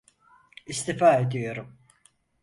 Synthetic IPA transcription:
ist̪ʰifaːed̪ijo̞ɾum

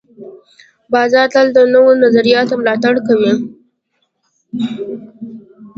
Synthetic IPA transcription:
bɑzɑɾt̪ald̪ənowonazaɾijɑt̪omlɑt̪aɽkawe

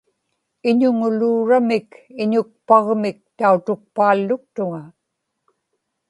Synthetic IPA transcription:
ɪɲʊŋʊluːɻamɪkɪɲʊk̚pɑʁmɪk̚t̪aut̪ʊk̚paːlːʊk̚t̪ʊŋa

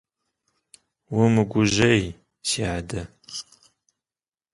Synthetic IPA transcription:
wʊmɨɡʷʊʒʒɐj | siʕadɐ

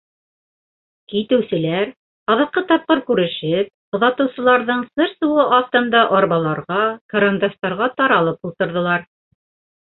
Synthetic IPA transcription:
kit̪ɘ̆wsɘ̆læɾ | ɑðɑq̚qːɤt̪ɑp̚qɤɾkʉɾɘ̆ʃɘp̚ | ŏðɑt̪ɤ̆wsɤ̆lˠɑɾðɤɴsɤɾsuwɤʔɑft̪ɤ̆nd̪ɑʔɒɾβɑlˠɑɾʁɑkɐɾɐnd̪ɑst̪ɑɾʁɑt̪ɑɾɑlˠɤpulˠt̪ɤ̆ɾðɤ̆lˠɑɾ

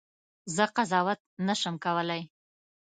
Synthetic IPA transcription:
zəqazɑwat̪̚naʃəmkawəlaj

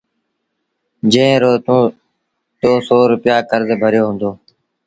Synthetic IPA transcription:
d͡ʒẽːɾoːũː | t̪oːsoːɾʊpɪjaːkəɾzbʱəɾjoːɦʊ̃ːnd̪oː

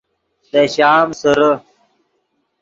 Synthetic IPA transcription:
d̪ɐɕaːmsəɾə

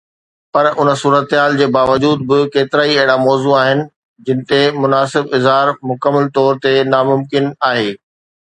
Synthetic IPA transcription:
pɐɾʊnəsuːɾət̪ɦaːld͡ʑeːbaːʋəd͡ʑuːd̪̚bɪkeːt̪ɪɾaːiɐɦɪɽamɔːzuaːɦɪnɪ̆ | d͡ʑɪnɪ̆t̪emʊnaːsɪbɪzɦaːɾmʊkəmːəlt̪ɔːɾt̪enaːmʊmkɪnaːɦeː

